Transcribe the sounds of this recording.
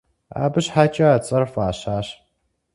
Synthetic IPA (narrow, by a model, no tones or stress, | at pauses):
a̰ːbɨɕħaːt͡ʃʼɐaːt͡sʼɐrfaːɕaːɕ